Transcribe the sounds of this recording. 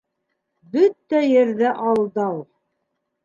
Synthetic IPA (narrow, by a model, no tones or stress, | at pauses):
bɵt̪ːæjɘ̆ɾðæʔɑlˠd̪ɑw